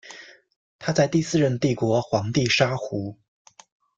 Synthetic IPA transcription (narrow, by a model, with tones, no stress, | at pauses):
t̪ʰa˥t͡sa˥˧ɪt̪i˥˧sɹ̩˥˧ɻə˥˧nt̪i˥˩kwɔ˧˥xwɑ˧˥ŋt̪i˥˩ʂa˥xu˧˥